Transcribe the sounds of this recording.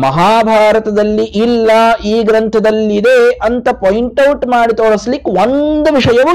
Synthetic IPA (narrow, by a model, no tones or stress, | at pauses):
mɐɦaːbʱaːɾɐt̪ɐd̪ɐlːiʔilːɐiːɡɾɐnt̪ʰɐd̪ɐlːid̪eɐnt̪ɐpojiɳʈɐwʈmaːɽit̪oːɭɐslikːond̪uʋiʂɐjɐʋu